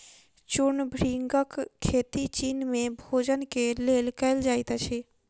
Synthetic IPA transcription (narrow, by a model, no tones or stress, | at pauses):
t͡ʃʊɳbʱɾiŋɡəkʰːeːt̪it͡ʃiːnmẽbʱoːd͡ʒənkeleːlkəɪld͡ʒaːɪt̪at͡ʃʰeː